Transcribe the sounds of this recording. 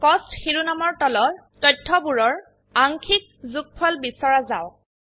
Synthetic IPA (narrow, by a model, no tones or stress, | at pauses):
kɔstxiɹunamɔɹtɔlɔɹtɔjtʰːɔbuɹɔɹ | aŋkʰik̚zuk̚pʰɔlbisɔɹazaw